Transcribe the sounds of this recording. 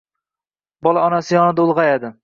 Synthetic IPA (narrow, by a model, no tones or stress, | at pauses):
bɒlˠaɒnasɪjɒnɪd̪aʊlˠʁɑjad̪ɪ